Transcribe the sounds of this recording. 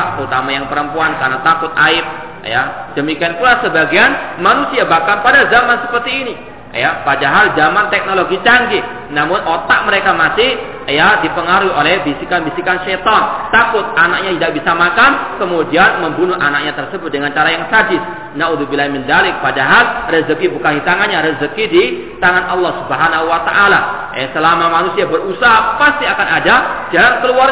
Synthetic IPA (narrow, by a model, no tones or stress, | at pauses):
ʔt̪əut̪amajaŋpəɾəmpuankarnat̪akʊt̪̚a̰ɪp̚ | ja̰dəmikianpulahsəbaɡianmanusiabahkanpadazamansəpərt̪iːni | japadaɦald͡ʒamant̪ɛk̚noloɡit͡ʃaŋɡɪ | namʊnʔot̪aʔməɾekamasɪh | jadipəŋaɾuiolɛhbisikanbisikanʃɛjt̪ɔnt̪akʊt̪̚anak̚ɲat̪idaʔbisamakankəmudianməmbunʊhʔanak̚ɲat̪ərsəbʊt̪̚dəŋant͡ʃaɾajaŋsad͡ʒɪs | nauðubilaimɪndalɪk̚padaɦalrəzəkibukanhit̪aŋanɲaɾəzəkidi | t̪aŋanʔɑlˠːɑhsubəɦanaɦuwat̪aʔala | asəlamamanusiabərusaɦapast̪iakanadad͡ʒalankəluar